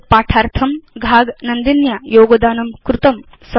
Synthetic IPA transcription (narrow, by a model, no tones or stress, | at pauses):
paːʈʰaːɾt̪ʰɐmɡʱaːɡnɐnd̪injajoːɡɐd̪aːnɐmkɾut̪ɐm | s